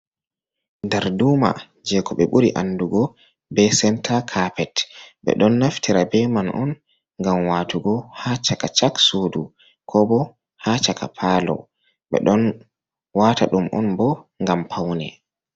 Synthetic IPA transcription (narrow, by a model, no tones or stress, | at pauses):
ndɛɾduːma̰ | d͡ʒɛkɔɓɛɓuɾiʔanːduɡɔ | bɛsɛntʰakʰapɛtɓɛ̰ɗɔnːaftʰiɾabɛmanʔɔ̰n | ŋɡamwaːtuɡɔhat͡ʃakat͡ʃaksodu | kʰɔbɔ | haːt͡ʃakʰa̰pʰaːlɔ̰ | ɓɛ̰ɗɔn | waːtʰa̰ɗumʔɔ̰nbɔŋɡampʰawnɛ̰